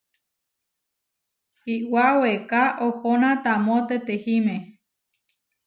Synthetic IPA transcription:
hiwawekaʔohonãt̪amõt̪et̪ehimẽ

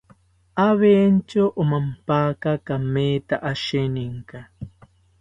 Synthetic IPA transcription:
ʔaβent͡ʃoʔomampakakamet̪aʔaʃeniŋka

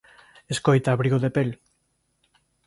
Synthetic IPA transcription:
eskojt̪aːβɾiɣoðepel

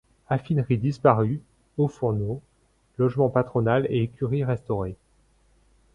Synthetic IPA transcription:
afinʁid̪ispaʁy | ofuʁno | lɔʒmɑ̃pat̪χɔnaleekʲyʁiʁɛst̪ɔʁe

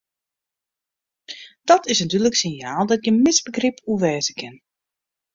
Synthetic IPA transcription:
d̥ɔtʰɪsnatyːləksɪnjaːlˠdɔt̚ɡjənmɪsbəɡripʰuʋɛːzəkʰɪn

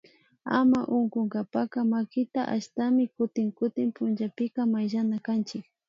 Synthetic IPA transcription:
a̰maʔʊŋkʊŋɡapakamakɪt̪aʔaʃt̪amɪkʊt̪ɪŋkʊt̪ɪmpʊnʒapɪkamajʒanakant͡ʃɪk̚

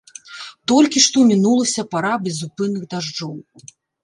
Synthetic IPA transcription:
t̪ɔlʲkʲiʂt̪ɔmʲinulˠɐsʲɐpaɾabʲɛzupɨnːɨɣd̪aʐd͡ʐɔw

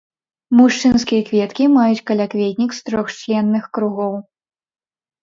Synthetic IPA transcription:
muʂt͡ʂɨnskʲijɐkvʲɛt̪kʲimajut͡sʲkɐlʲakvʲɛt̪ʲnʲikst̪ɾɔxt͡ʃlʲɛnːɨxkɾuɣɔw

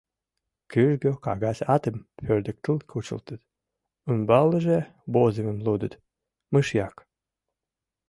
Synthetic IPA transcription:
kyʒɡøkɑ̰ɣɑsʲɑt̪əmpørd̪ə̆k̚t̪əlˠkʰut͡ɕə̰lt̪ət̪ | unbɑlːəʒe | bozəmə̆mlud̪ət̪ | mɨʃjɑk

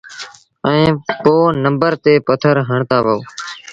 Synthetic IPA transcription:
ɛ̃ːpoːnə̃mbəɾt̪eːpət̪ʰəɾɦəɳt̪aːbʱəː

